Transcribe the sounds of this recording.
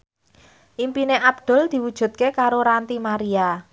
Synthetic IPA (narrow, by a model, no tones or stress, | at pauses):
ʔimpineʔab̥̚d̪̥ɔ̤ld̪̥i̤wud̥ʒ̥ṳt̪̚kekaɾoɾant̪imaɾia